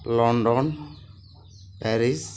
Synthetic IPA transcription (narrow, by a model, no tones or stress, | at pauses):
lɔɳɖɔn | pɛɾis